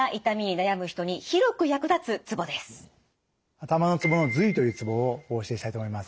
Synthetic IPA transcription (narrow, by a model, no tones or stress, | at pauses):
aʔit̪amʲiɲ̟inajamɯ̟çi̥t̪o̞ɲ̟içiɾo̞kɯ̟jakɯ̟d̪at͡sɨt͡sɨbo̞d̪esɨ̥ | at̪amano̞t͡sɨbo̞no̞zɨit̪o̞jɯ̟ːt͡sɨbo̞ːoːɕieɕit̪ait̪omoimasɨ̥